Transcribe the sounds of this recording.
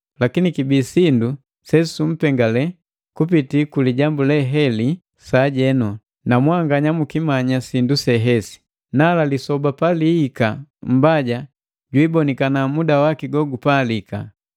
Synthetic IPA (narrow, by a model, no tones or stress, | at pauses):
lakinikibiːsindu | sɛsum̩pɛŋɡalɛ | kupitikuliɟambulɛɦɛli | saɟɛnɔ | namwaŋɡaɲamukimaɲasindusɛɦɛsi̥ | nalalisɔbapaliːkam̩baɟa | ɟwiːbɔnikanamudawakiɡɔɡupaːlika̰